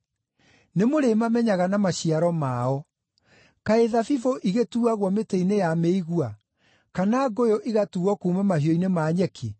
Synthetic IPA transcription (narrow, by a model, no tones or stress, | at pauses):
nemoɾemamɛɲaɣanamaɕiaɾɔmaɔ | kaeðafifoʔiɣetuːaɣwɔmeteinejameiɣua | kanaɡojoʔiɣatuɔkuːmɛmahiɔinemaɲɛkʰe